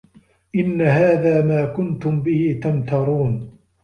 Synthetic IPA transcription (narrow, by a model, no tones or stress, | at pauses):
ʔɪnːaɦaːðaːmaːkʊnt̪ʊmbɪhɪt̪amt̪ɑɾˤuːn